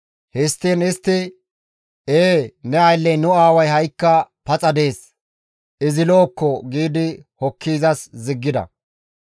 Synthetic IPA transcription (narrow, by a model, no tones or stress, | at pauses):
hɪst̪ːiːnɪst̪ːɪ | eːnɛɐjlːɛjnʊaːwɐjɦɐjkːɐpɐt͡sʼɐd̪e̞ːs | ɪzɪlo̞ːkːɔɡiːd̪ɪhɔkːiːzɐszɪɡːɪd̪ɐ̰